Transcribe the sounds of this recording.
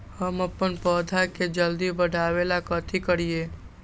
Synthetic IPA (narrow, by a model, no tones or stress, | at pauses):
həməpːənpɔːd̪ʱaked͡ʒəld̪ibəɽʱaːweːlakət̪ʰikəɾijeː